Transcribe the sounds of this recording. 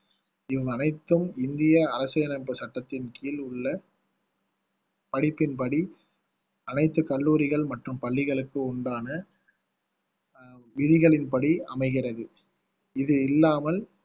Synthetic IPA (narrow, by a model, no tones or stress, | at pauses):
ɪʋɐɐnɐɪt̪ːɯmɪnd̪ɪjɐːɾɐsɐjɐnɐpːɯsɐʈːɐt̪ːɪnkiːlʊɭːɐ | pɐɽɪpːɪnpɐɽi | ɐnɐɪt̪ːɯkɐɭːuːɾɪɣɐɭmɐʈrɯmpɐɭːɪɣɐɭɯkːɯʊɳɖaːnɐ | ʋɪðɪɣɐɭɪnpɐɽiɐ̰mɐɪɣɪrɐðɯ | ɪðɯɪlːaːmɐl